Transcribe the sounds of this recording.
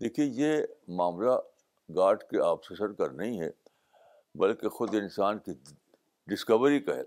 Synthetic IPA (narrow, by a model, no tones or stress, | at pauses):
d̪eːkʰiejemaːmla | ɡaːɾʈkeʔaːpsesəɾkɐɾnɐɦĩɦɛ̰ː | bɐlkexʊd̪ɪnsaːnki | ɖɪskəʋəɾikaɦɛ̰ː